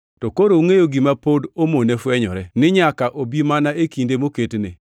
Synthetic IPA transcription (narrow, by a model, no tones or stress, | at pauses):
tɔkoɾouŋejoɡimapodomonɛfwɛɲɔ̰ɾɛnɪɲakaʔobimanaekindemoketnḛ